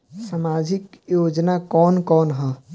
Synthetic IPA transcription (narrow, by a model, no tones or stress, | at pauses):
samaːd͡ʒɪkjoːd͡ʒnakɔːnkɔːnɦɔ̃